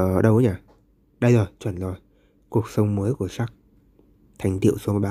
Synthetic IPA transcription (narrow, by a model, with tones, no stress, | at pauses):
ɗə˧wʔɲaː˨˩ | ɗə˧jzo˨˩jt͡ɕwə˧˩nzo˨˩j | ku˨˩ək̚sə˧wŋ͡mməː˨˦jku˧˩əsaː˦˥k̚ | t̪ʰa˨˩jŋ̟t̪ḭ˧˨əwso˨˦mo˨˧˩jɓaː˨˦